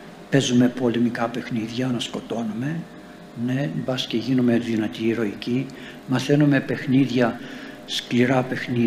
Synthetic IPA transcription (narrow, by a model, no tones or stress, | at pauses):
pe̞zume̞po̞lemikɐpe̞xniðʝɐonɐsko̞t̪o̞nume̞ | ne̞bɐsceʝinume̞ðinɐt̪iɾo̞ici | mɐθe̞nume̞pe̞xniðʝɐ | skliɾɐpe̞xni